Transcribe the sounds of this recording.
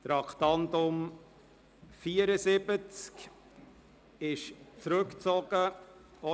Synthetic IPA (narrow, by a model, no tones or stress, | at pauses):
t̪ɾɑktɑnt̪ʊm | fiːəɾəzɪbət͡sk | ɪʃt͡sɾʉkt͡sɔɡ̥ə | ɔ